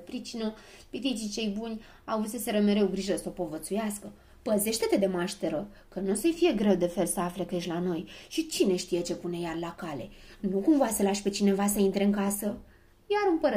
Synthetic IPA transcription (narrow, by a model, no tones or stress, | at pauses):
pɾit͡ʃinəpit̪it͡ʃit͡ʃe̞jbunʲ | awut̪səseɾəme̞ɾe̞wɡɾiʒəsəo̞po̞vət̪sujaskə | pəze̞ʃt̪et̪e̞d̪e̞maʃt̪e̞ɾə | kənusəjfije̞ɡɾe̞wd̪e̞fe̞lsəafle̞keʃʲlano̞jʃit͡ʃine̞ʃt̪ije̞t͡ʃe̞pune̞jarlakale̞nukumvaselaʃpe̞t͡ʃine̞vasəint̪ɾe̞ɨŋkasə | jaɾɨmpəɾə